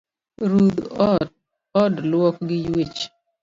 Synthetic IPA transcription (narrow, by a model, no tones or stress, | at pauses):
ɾud̪ɔ | ɔdlwɔkɡɪjwit͡ʃ